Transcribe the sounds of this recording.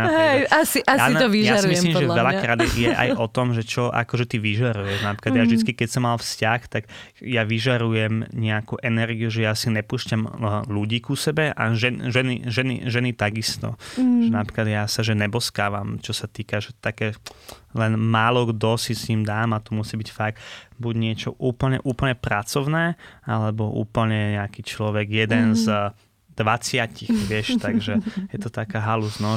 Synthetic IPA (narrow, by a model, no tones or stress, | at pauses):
ɦɛjasiʔasjaiiʒjaaiismlimʒɛvɛʎakɾaːd̪ijɛʔa̰jʔɔt̪ɔmʒɛt͡ʃɔʔa̰kɔʒɛt̪iʋiʒaɾujɛʒnapɾi̥kadjaʒʒd̪it͡skikɛcsɔmːalfscaxt̪aɡ | jaʋiʒaɾujɛmɲɛakuʔɛnɛɾɡiuʒɛjasinɛpuːsʃcamluɟiːkusɛbɛʔa̰ʒɛʒɛnḭʒɛnḭʒɛnit̪aɡist̪ɔ̰ʒɛnapɾi̥klad̪jaːsaʒɛnɛbɔskaːʋamt͡ʃɔsat̪iːkaʒɛt̪akɛːlɛnmaːlɔɡd̪ɔsisiːmd̪aːmat̪ɔmusiːbicfaɡ̚buɟɲɪɛt͡ʃɔʔuːpl̩ɲɛ̰ʔuːpl̩ɲɛpɾat͡sɔʊnɛːalɛbɔʔṵːpl̩ɲɛɲɛakiːt͡ʃlɔʋɛɡjɛd̪ɛnz | d̪̥ʋat͡sɪacixʋɪɛʃt̪aɡʒɛjɛt̪ɔt̪akaːɦaluznɔ